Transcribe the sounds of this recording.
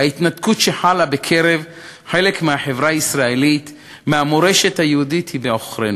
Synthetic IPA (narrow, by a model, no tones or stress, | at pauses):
ait̪nad̪kutʃe̞ħalabekʰe̞ʁev | ħe̞lekmeaħevʁaaisʁaelit̪ | meamoʁe̞ʃet̪hajehudit̪hibeo̞χʁen